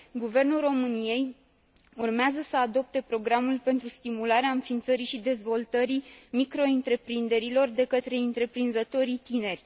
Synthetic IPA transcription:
ɡuve̞rnulro̞mɨnije̞j | urmeazəsəad̪o̞p̚t̪e̞pɾo̞ɡɾamulpe̞nt̪ɾust̪imulaɾeaɨnfint̪səɾiʃid̪e̞zvo̞lt̪əɾimikɾo̞ɨnt̪ɾe̞pɾind̪e̞ɾilo̞rd̪e̞kət̪ɾe̞ɨnt̪ɾe̞pɾinzət̪o̞ɾit̪ine̞rʲ

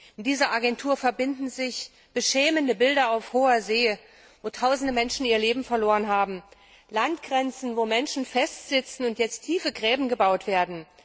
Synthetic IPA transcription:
ʔɪnd̥iːzɐʔaɡɛntʰuːɐfɛɐbɪndn̩zɪç | b̥əʃɛːməndəbɪldɐaʊfhoːɐzeː | voːtʰaʊzn̩dəmɛnʃn̩iːɐleːbm̩fɛɐloːʁənɦaːbm̩ | lantɡ̥ʁɛnt͡sn̩voːmɛnʃn̩fɛstz̥ɪt͡sn̩ʊntjɛt͡stʰːiːfəɡʁɛːbm̩ɡəbaʊtv̥eːɐdn̩

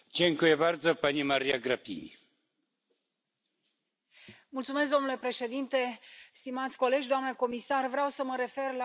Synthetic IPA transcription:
d͡ʒʲeŋkujebaɾd̪zɔpanʲimaɾiaɡɾapʲḭḭ | mult̪sumesk̚d̪o̞mnule̞pɾe̞ʃe̞d̪int̪e̞st̪imat̪sʲko̞le̞d͡ʒʲd̪oamneko̞misarvɾeawsəməɾe̞fe̞rla

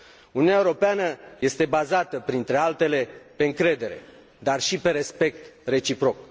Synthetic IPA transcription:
uniunaeuɾo̞peanəje̞st̪e̞bazat̪əpɾint̪ɾe̞alt̪e̞le̞pe̞ɨŋkɾe̞d̪e̞ɾe̞̰ | d̪arʃipe̞ɾe̞spe̞k̚t̪re̞t͡ʃipɾo̞k̚

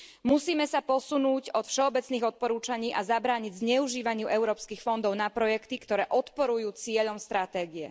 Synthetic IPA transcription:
musiːmɛsapɔsunuːcɔt̪fʃɛɔbɛt͡sniːɣɔt̪̚pɔɾuːt͡ʃaɲiːʔazabɾaːɲiɟzɲɛuʒiːʋaɲɪuʔɛʊɾɔːpskixfɔnd̪ɔʊnapɾɔjɛkt̪ikt̪ɔɾɛːʔɔt̪pɔɾujuːt͡sɪɛʎɔmst̪ɾat̪ɛːɡiɛ

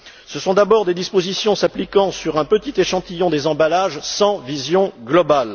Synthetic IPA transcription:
səsɔ̃d̪abɔʁd̪ed̪ispozisjɔ̃saplikɑ̃syʁɛ̃pət̪it̪eʃɑ̃t̪ijɔ̃d̪ezɑ̃balaʒsɑ̃vizjɔ̃ɡlɔbal

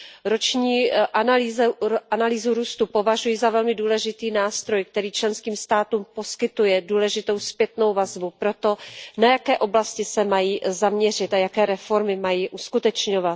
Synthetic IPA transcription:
ɾo̞t͡ʃɲiːʔanaliːzʔanaliːzuɾuːst̪upo̞vaʒujizavɛlmɪduːlɛʒɪt̪iːnaːst̪ɾo̞jk̚t̪ɛɾiːt͡ʃlɛnskiːmst̪aːt̪uːmpo̞skɪt̪ujɛduːlɛʒɪt̪o̞wspjɛt̪no̞wvazbupɾo̞t̪o̞najakɛːʔo̞blascɪsɛmajiːzamɲɛr̝ɪt̪ʔajakɛːɾɛfo̞ɾmɪmajiːʔuskut̪ɛt͡ʃɲovat̪

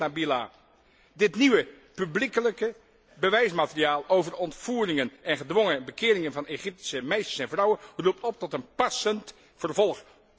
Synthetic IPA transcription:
abila | dɪtniʋə | pyblikələkə | bəʋɛjsmaːtəriaːlˠowvərɔntfuːrɪŋənɛnχədʋɔŋəbəkɪːɾɪŋənvɑneχɪp̚ti̥səmejstə̥ɹsɛnvrʌwənrup̚tɔp̚tɔtənpɑsənt | fərvɔlˠχ

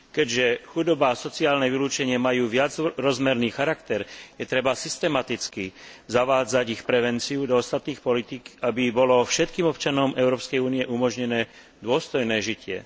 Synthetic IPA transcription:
kɛɟʒɛxud̪ɔbaːsɔt͡siaːlnɛʋiluːt͡ʃɛɲɪɛmajuːʋɪad͡zɾɔzmɛɾniːxaɾakt̪ɛɾjɛt̪ɾɛbasist̪ɛmat̪it͡skizaʋaːd͡zaɟixpɾɛʋɛnt͡siud̪ɔɔst̪at̪niːxpɔlit̪ikabibɔlɔfʃɛt̪̚kiːmɔpt͡ʃanɔmɛʊɾɔːpskɛjuːniɪjɛʔumɔʒɲɛnɛː | d̪ʊɔst̪ɔjnɛːʒicɪɛ̰

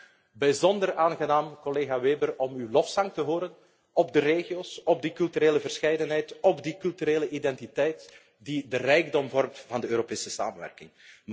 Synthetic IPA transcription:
bɛjzɔndəraːnɣənaːmkɔleːɣaʋeːbəɾɔmyːlɔfsɑŋktəɦoːɾən | ɔbdəɾeːɣioːsɔb̚dikɵlˠtyɾeːləvərsxɛjdənɦɛjtɔbdikɵlˠtyɾeːləʔidɛntitɛjt | didərɛjɡdɔmvɔrmtvɑndəøːɾopeːsəsa̰ːmənʋɛ̰rkɪŋ

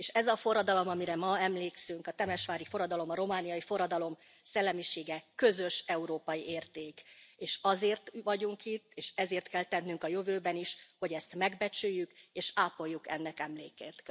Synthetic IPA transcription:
eːʃɛzɒfo̞rːɒd̪ɒlo̞mɒmiɾɛmɒɛmleːksyŋkɒt̪ɛmɛʃʋaːɾifo̞ɾɒd̪ɒlo̞mɒɾo̞maːnijɒjifo̞ɾɒd̪ɒlo̞m | sɛlːɛmiʃeːɡɛkø̞zø̞ʃɛuɾoːpɒjiʔeːrt̪eːkeːʃɒzeːrt̪ʋɒɟuŋkit̪ːeːʃɛzeːrt̪kɛlt̪ɛnːyŋkɒjøvøːbɛniʃho̞ɟɛst̪mɛɡbɛt͡ʃyjːykeːʃaːpo̞jːukɛ̰nːɛkɛmlḛːkeːt̪

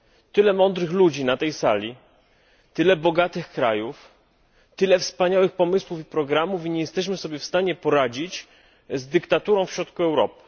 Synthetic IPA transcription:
t̪ɘlɛmɔnd̪ɾɘxlud͡ʑinat̪ɛjsalʲi | t̪ɘlɛbɔɡat̪ɘxkɾajuf | t̪ɘlɛfspaɲawɘxpɔmɘswufipɾɔɡɾamufiɲɛjɛst̪ɛɕ̬mɘsɔbʲjɛfst̪aɲɛpɔɾad͡ʑit͡ɕ | zd̪ɘkt̪at̪uɾɔ̃w̃fɕɾɔt̪kuɛwɾɔpɘ̥

